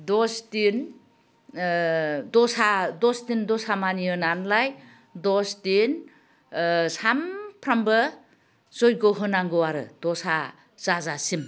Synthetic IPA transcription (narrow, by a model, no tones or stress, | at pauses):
dɔstin | dɔsadɔstindɔsamaniɯnanlaj | dɔstin | sampʰɾambɯ | zɔjɡɔɦɯnaŋɡɯwaɾɯd̥ɔsa | zazasim